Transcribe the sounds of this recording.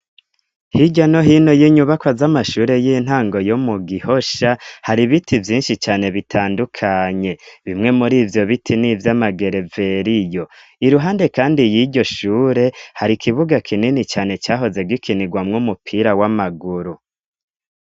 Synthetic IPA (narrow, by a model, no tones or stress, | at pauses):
hiɟano̞ɦino̞jiɲuβakwazamaʃuːɾe̞jin̥aːŋɡo̞jomuɡiho̞ʃahaɾiβitʰivjiːnʃit͡ʃaːne̞βitʰaːndukʰaɲe̞βimŋe̞muɾiːvjo̞βitʰinivjamaɡe̞ɾe̞ve̞ɾijo̞ | iɾuɦaːnde̞kaːndijiɟo̞ʃuːɾe̞haɾikʰiβuɡakʰininit͡ʃaːne̞t͡ʃaːɦo̞ze̞ɡikʰiniɡwamŋumupʰiɾawamaɡuɾu